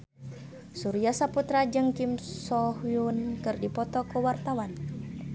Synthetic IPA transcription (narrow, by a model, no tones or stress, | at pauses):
suɾiasaput̪ɾad͡ʒɨŋkimsɔhiunkɨrdipɔt̪ɔkuwart̪awan